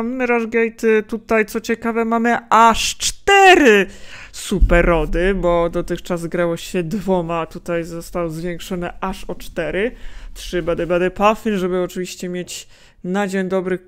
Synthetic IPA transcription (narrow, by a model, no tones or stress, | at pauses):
ammɾaʐɡɛjt̪t̪ut̪ajt̪sɔt͡ɕɛkavɛmamɘʔaʂt͡ʂt̪ɛɾɘsupɛɾɔd̪ɘbɔd̪ɔt̪ɘxt͡ʂazɡɾawɔɕɛd̪vɔmat̪ut̪ajzɔst̪awzvʲjeŋkʂɔnɘʔaʂɔt͡ʂt̪ɛɾɘtʂɘbad̪ɛbad̪ɛpafinʐɛbɘɔt͡ʂɘvʲiɕt͡ɕɛmʲjet͡ɕ | nad͡ʑeɲd̪ɔbɾɘx